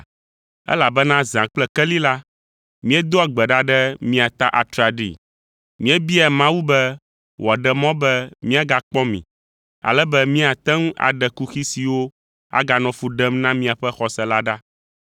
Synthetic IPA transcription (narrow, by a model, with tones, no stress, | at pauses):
ɛ̰˦la˨bɛ˦nã˦zã˨k͡plɛ˦kɛ˦li˦la˦ | mĩ˦ɛ˦d̪o˦a˨ɡ͡bɛ˨ɖa˦ɖɛ˦mĩ˦a˨t̪a˦ʔa˨t̪ɾa˨ɖḭ˦˨ | mĩ˦ɛ˦bi˦ɛ˨mã˦wu˦bɛ˦ | wʔɔ˨ɖɛ˨mɔ̃˦bɛ˦mĩ˦a˨ɡa˨k͡pɔ̃˦mḭ̃˨ | a̰˨lɛ˦bɛ˦mĩ˦a˨t̪ɛ˦ŋ˦a̰˨ɖɛ˨ku˦xi˦si˨wo˦ | a̰˦ɡa˨nɔ̃˨fu˨ɖɛ˦mnã˦mĩ˦a˨ɸɛ˦xɔ˨sɛ˨la˦ɖa˦